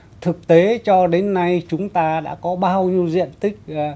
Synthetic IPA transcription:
t̪ʰɨ˨˩k̚t̪e˨˦t͡ɕɔ˧ɗe˨˦nːa˧jt͡ɕʊ˨˦ŋ͡mt̪aː˧ɗa̰ː˧˥kɔ˨˦ɓaː˧wɲi˧əwzḭ˧˨ənt̪ï˦˥k̟̚ː

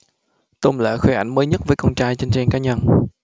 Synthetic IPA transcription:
t̪o˧˩ŋ͡mlə̰ː˧˨xwe˧˩ʔa̰˧˩jŋməː˨˦jɲə˦˥t̚vəː˨˦jkə˧wŋ͡mt͡ɕaː˧jt͡ɕe˧nt͡ɕɛ˧nkaː˨˦ɲə˧n

